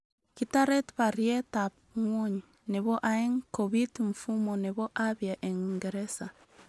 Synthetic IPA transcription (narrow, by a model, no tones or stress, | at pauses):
kitaɾetβaɾietap | ŋwoɲi | neβoʔaeŋkoβitɱ̩fumoneβoʔaβjaʔeŋŋɡeɾesa